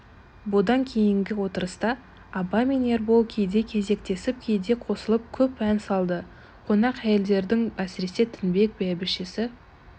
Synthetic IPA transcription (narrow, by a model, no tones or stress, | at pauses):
bʊd̪ɑŋkʲʰe̞jɪŋɡʲɪwo̞t̪əɾəst̪ɑː | bɑmene̞ɾbolˠkʲʰe̞jd̪e̞kʲʰe̞ze̞kt̪e̞sɪp̚kʲʰe̞jd̪e̞qʰo̞səlˠəp̚kʲʰɵpænsɑlˠd̪ə | qʰo̞nɑqæje̞ld̪e̞ɾd̪ɪŋæsɪɾe̞se̞t̪ʰɪnbe̞k̚bæbɪʃɪsɪ